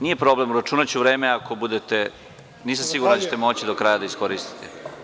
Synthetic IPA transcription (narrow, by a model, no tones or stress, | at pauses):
nije̞pɾo̞ble̞muɾat͡ʃuːnat͡ɕuʋɾe̞ːmeako̞bud̪et̪e | niːs̬amsiɡuɾnd̪at͡ɕet̪emo̞t͡ɕid̪o̞kɾajad̪aisko̞ɾist̪i̥t̪ʰe